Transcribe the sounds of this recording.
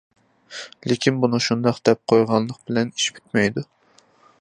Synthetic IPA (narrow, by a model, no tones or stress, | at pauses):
lekʲinbunɨʃund̪ɑqd̪̥ɛp̚qʰojʁɑnˠlːˠəq̚bɪlɛni̥ʃpʰy̥t̪̚mɛjd̪u